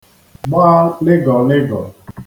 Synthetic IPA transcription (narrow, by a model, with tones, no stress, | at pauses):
ɡ͡ba˦lɪ˦ɡɔ˨lɪ˦ɡɔ̰˨